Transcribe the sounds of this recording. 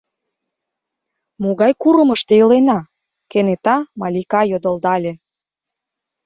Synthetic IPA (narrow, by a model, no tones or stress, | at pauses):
moɣɑjkuɾə̆məʃt̪eəlenɑ | kenet̪ɑmɑlʲikɑjod̪ə̆ld̪ɑlʲĕ